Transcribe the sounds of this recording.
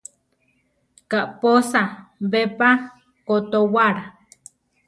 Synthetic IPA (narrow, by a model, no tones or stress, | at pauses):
kaʔposaβepa | kot̪owaɾa